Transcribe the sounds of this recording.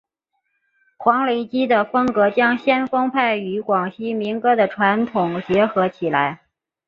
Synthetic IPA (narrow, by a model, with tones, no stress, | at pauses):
kʰwɑ˧˥ŋle˧˥ɪt͡ɕi˥d̪ə˨fɤ˥ŋkɤ˧˥t͡ɕjɑ˥ŋɕjɛ˥nfɤ˥ŋpʰa˥˩ɪy˧˥kwɑ˨˩ŋɕi˥mi˧˥ŋkɤ˥d̪ə˨ʈ͡ʂʰwa˧˥nt̪ʰʊ˨˩ŋt͡ɕjɛ˧˥xɤ˧˥t͡ɕʰi˨˩la˧˥ɪ